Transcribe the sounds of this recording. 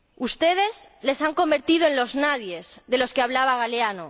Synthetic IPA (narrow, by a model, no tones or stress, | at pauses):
ust̪e̞ð̞e̞zle̞saŋko̞mbe̞ɾt̪ið̞oe̞nlo̞znaðje̞zðe̞lo̞skeaβlaβaɣ̞aleano